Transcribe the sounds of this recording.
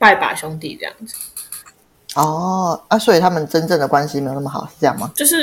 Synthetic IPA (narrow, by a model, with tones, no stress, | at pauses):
pa˥˩ɪpa̰˨˩ɕjʊ˥ŋt̪ḭ˥˨˩ʈ͡ʂɤ̰˥˧jɑ̰˥˩ŋd͡z̩˨˦˩ | ɔ˥˩a˥˩swɔ˧˥i˨˩t̪ʰa˥mə˨nʈ͡ʂə˥nʈ͡ʂə˥˩ŋd̪ə˩kwa˦nɕ̬i˨e˧˥˩jo˨˩nə˥˩mə˩xɑ̰˨˩ʊʂɻ̩˥˩ʈ͡ʂɤ˥˧jɑ˥˩ŋmɐ˩t͡ɕjo˥˧ʊʂɻ̩˥˩